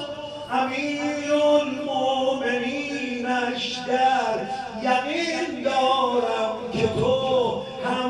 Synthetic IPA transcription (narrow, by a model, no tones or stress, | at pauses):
hamiːɾɾolmomeniːnɾæʃd̪æɾ | jaɣiːnd̪ɒːɾamkʰet̪ʰo | hæ